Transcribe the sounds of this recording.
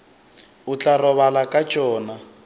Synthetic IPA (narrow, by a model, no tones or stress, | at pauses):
ut͡ɬarɔβalakʼat͡ʃʼɔːna